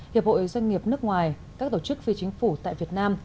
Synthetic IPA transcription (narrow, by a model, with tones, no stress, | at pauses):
hi˨˩p̚ho̰˧˨˦zwa˧ŋ̟ːi˨˩əp̚nɨ˦˥ək̚ŋwaː˨˩j | kaː˦˥k̚t̪o˧˩t͡ɕɨ˦˥k̚fi˧t͡ɕi˨˦ŋ̟fu˧˩t̪a̰ː˧˨jvi˨˩ət̚naː˧m